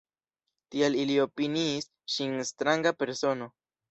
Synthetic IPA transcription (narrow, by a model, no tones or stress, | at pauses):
tialilio̞piniːs | ʃinstɾaŋɡape̞ɾso̞no̞